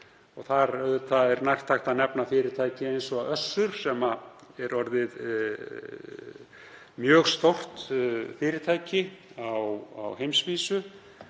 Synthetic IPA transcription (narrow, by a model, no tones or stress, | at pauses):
ɔɣθaɾœðʏt̪ʰaðɛɾnajr̥t̪ʰajxt̪aðnɛpnafɪːɾɪt̪ʰaːjcɪejnsɔaœsːʏɾ̥sɛmaɛɾɔɾðɪð | mjœːɣst̪owr̥t̪fɪːɾɪt̪ʰaːjcɪawa̰whejmsviːsʏ